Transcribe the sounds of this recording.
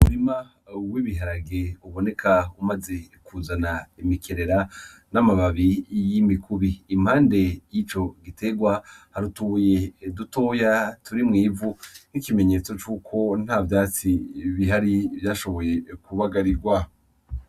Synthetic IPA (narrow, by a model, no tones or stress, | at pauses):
muɾima | wiβiɦaɾaɡeuβo̞ne̞kʰaumaze̞ | kʰuzanaimikʰeɾe̞ɾanamaβaβijimikʰuβiːm̥haːnde̞jit͡ʃo̞ɡitʰe̞ɡwahaɾutuje̞dutoːjatuɾimŋiːvunikime̞ɲe̞ːt͡so̞t͡ʃuːkʰo̞n̥haːvjaːt͡siβiɦaɾivjaːʃo̞βo̞je̞kuβaɡaɾiɾɡwa